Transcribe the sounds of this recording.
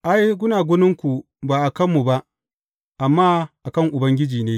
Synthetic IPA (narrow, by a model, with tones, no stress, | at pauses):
ʔa˦jɡʷʊ˦naː˨ɡʷʊ˦nɪ˦ŋkʷu˨ | baː˨ʔa˨kɐ˦mːu˨ba˦ʔ | ʔa˨mːaː˦ʔa˨kɐ˦ŋʔʊ˨bɐ˦ŋɡʲɪ˦d͡ʒiː˨neː˦